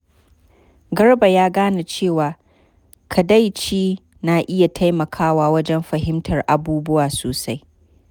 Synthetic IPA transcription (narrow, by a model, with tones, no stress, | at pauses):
ɡɐ˦rba˨jaː˦ɡaː˦na˨t͡ʃeː˦˨waː˨ | kʰa˨da˦jt͡ʃiː˦ | naː˨ʔɪ˦ja˨tʰa˦jmɐ˨kʰaː˦waː˦wɐ˦d͡ʒɛ˦mɸɐ˨ɦɪ˦mtʰɐ˨rʔa˨buː˦bʊ˦waː˨soː˨sa˦j